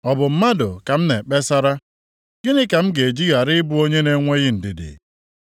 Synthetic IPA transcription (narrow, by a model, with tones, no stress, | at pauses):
ɔ˨bʊ˨m̩˦ma˦dʊ˨ka˨m̩˦ne˨k͡pe˦sa˦ɾa˦ | ɡe˦nɪ˦ka˨m̩˦ɡe˨d͡ʒi˦ɣa˨ɾɪ˦bʊ˦o˦ɲe˦ne˦ŋʷe˦ɣɪ˦n̩˨dɪ˨dɪ̰˨